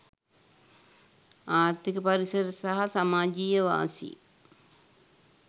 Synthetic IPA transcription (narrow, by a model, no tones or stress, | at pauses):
aːɾt̪ːikəpaɾisəɾəsaɦasamaːd͡ʒiːjəʋa̰ːsḭ